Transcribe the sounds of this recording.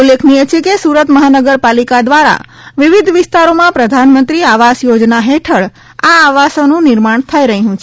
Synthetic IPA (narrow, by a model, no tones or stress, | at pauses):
ulːekʰnijet͡ʃʰekesuɾət̪məɦanəɡəɾpalikad̪ʋaɾa̰ | ʋɪʋɪd̪ʱʋɪst̪aɾomãpɾəd̪ʱanmənt̪ɾiaʋasjod͡ʒnaɦeʈʰəɭ | aːʋasonũnɪɾmaɳ̃t̪ʰəiɾəɦɦũt͡ʃʰ